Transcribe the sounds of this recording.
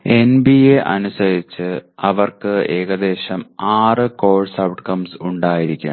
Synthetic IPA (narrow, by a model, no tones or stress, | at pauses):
e̞nbieʔɐ̰nusɐɾit͡ɕːɨɐʋɐrkɨe̞ːɣɐd̪e̞ːɕɐmaːrɨko̞ːɭsɐwʈkɐmsuɳɖaːjiɾikʲːa̰ɳ